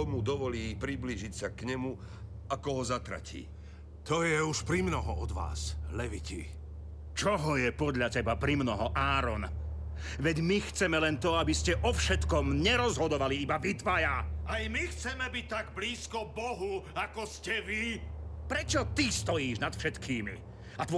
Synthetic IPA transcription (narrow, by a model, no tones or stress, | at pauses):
ɔmud̪ɔʋɔliːpɾibliːʒicsakɲɛmu | akɔɦɔzat̪ɾa̰cḭː | t̪ɔjɛuʃpɾimnɔɦɔɔd̪ʋa̰ːslɛʋicḭ | t͡ʃɔɦɔjɛpɔd̪ʎacɛbapɾimnɔɦɔʔaːɾɔn | ʋɛɟmixt͡sɛmɛlɛnt̪ɔabiscɛʔɔfʃɛt̪kɔmɲɛɾɔzɦɔd̪ɔʋaliibaʋit̪ʋajaajmixt͡sɛmɛbic̚t̪ːaɡbliːskɔbɔɦuakɔscɛʋipɾɛt͡ʃɔt̪ist̪ɔjiːʒnat̪fʃɛt̪kiːmḭ | at̪ʋɔ